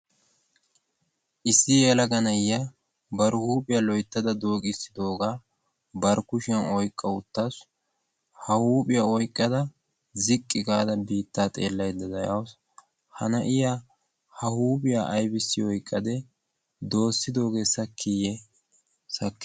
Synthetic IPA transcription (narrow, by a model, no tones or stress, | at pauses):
ʔɪsːɪjelɐɡɐnɐja | bɐɾhuːpʼɪjɐlɔjt̪ːɐd̪ɐd̪oːkʼɪsɪd̪o̞ːɡaː | bɐɾkʊʃɪɐnɔjkʼːɐʊt̪ːas | hɐhuːpʼɪjɐɔjkʼːɐd̪ɐ | zɪkʼːɪɡaːd̪ɐbiːt̪ːaːt̪ʼe̞̰ːlːɐjd̪ɐd̪ɐjɐws | hɐnɐʔɪja | hɐhuːpʼɪjaːʔɐjbɪsːɪɔjkʼːɐd̪ɛ | d̪o̞ːsːɪd̪o̞ːɡe̞ːsɐkːijɛ | sɐkːɪ̥